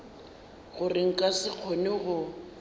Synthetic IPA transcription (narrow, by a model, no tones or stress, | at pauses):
ɣʊrɪŋ̩kʼasɪq͡χʰonɪɣʊ